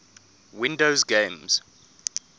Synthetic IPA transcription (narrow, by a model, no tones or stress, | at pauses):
wɪ̃ndoʊzɡẽmz̥